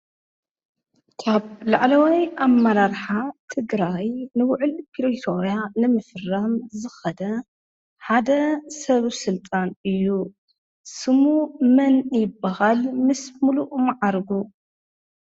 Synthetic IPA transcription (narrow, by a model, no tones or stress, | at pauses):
kʰaβla̰ʕlɐwajamːɐɾaɾħat̪ʰɨɡɾajnɨwʊʕɨlpʰiɾit̪ʰoɾijanɨmɨfɨrːɐmzɨxɐd̪ɐ | ħad̪ɐsɐβsɨlt̪ʼanɨjːu | sɨmumɐnjɪbːahalmɨsmuluʔmaʕaɾɡu